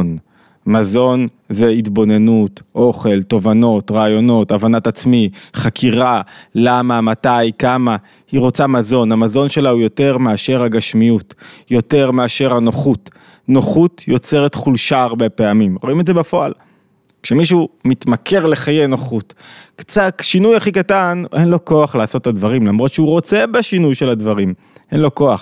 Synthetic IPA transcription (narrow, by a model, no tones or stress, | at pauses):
n | mazo̞n | ze̞itbo̞ne̞nutʔo̞χe̞lto̞vano̞t̪ʁaːjo̞no̞tavanatat͡smiχakʰiʁalamamatajkama | hiʁo̞t͡samazo̞nhamazo̞nʃelaujo̞te̞ʁmeaʃe̞ʁhaɡaʃmijutjo̞te̞ʁmeaʃe̞ʁhanoχut | noχutjo̞t͡se̞ʁetχulʃaːʁbe̞pe̞amimʁo̞imetdze̞bafo̞a̰l | kʃemiʃ̬umit̪makʰe̞ʁle̞χajenoχutkt͡satʃinujaχikatanʔe̞nlo̞ko̞aχlaaso̞t̪ːadvaʁimlamʁo̞tʃeuʁo̞t͡se̞beʃinujʃe̞ladvaʁim | ʔe̞nlo̞ko̞aχ